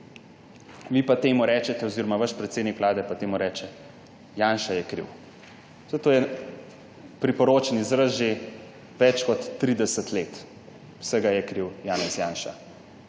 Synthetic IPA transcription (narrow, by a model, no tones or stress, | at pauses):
ʋipat̪eːmuɾɛːt͡ʃɛt̪ɛɔziɾɔmaʋaʃpɾɛt̪seːd̪nikʋlaːd̪ɛpat̪eːmuɾɛːt͡ʃɛ | jaːnʃajɛkɾḭw | zɛt̪oːjɛ | pɾipɔɾoːt͡ʃɛnizɾəzʒe | ʋɛt͡ʃkɔt̪ːɾid̪ɛsət̪leːt̪ | w̥səɡajɛkɾiwjaːnɛsjaːnʃa̰